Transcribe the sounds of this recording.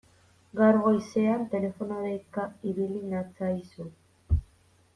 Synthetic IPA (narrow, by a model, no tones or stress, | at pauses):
ɡaɾɣo̞jse̞ant̪e̞le̞fo̞naɾejkaiβilinat͡sajsu